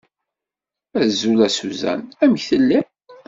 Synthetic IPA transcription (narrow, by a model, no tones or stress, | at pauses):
æzulæsuzæ̰næməçθəlːi